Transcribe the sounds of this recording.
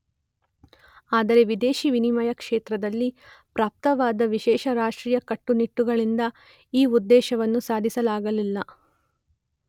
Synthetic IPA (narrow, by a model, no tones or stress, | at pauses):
aːd̪ɐɾe̞ʋid̪eːʃiʋinimɐjɐkʂeːt̪ɾɐd̪ɐlːi | pɾaːp̚t̪ɐʋaːd̪ɐʋiʃɛːʃɐɾaːʂʈɾiːjɐkɐʈːuniʈːuɡɐɭind̪ɐ | iːud̪ːɛːʃɐʋɐnːusaːd̪ʱisɐlaːɡɐlilːɐ